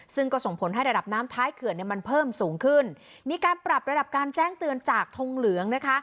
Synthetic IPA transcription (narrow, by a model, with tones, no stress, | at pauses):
sɯ˥˩ŋkɔː˥˩so˩˦ŋpʰo˩˦nɦa˥˩jɾa˧da˨˩p̚naː˦˥mt̪ʰaː˦˥jkʰɯ˨˩ənːi˥˩ɐma˧npʰɤː˥˩msuː˩˦ŋkʰɯ˥˩n | miː˧kaː˧npɾa˨˩p̚ɾa˧da˨˩p̚kaː˧nt͡ɕɛː˥˩ŋt̪ɯ˧ənt͡ɕaː˨˩k̚t̪ʰo˧ŋlɯ˨˩˦əŋna˦˥kʰa˦˥